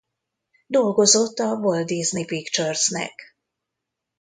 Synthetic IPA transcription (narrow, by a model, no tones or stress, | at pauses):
d̪o̞lɡo̞zo̞t̪ːɒvold̪iznipikt͡ʃørsnɛ̰k